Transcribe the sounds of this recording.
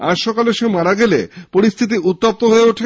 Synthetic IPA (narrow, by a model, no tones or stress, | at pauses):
a̰ʃɔkaleʃemaɾaɡelḛpoɾist̪ʰit̪̬iʔut̪ːap̚t̪oɦoeoʈʰe